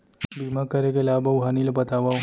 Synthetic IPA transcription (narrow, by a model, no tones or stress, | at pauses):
bimakəɾekelaːbaɦanilebət̪aʋa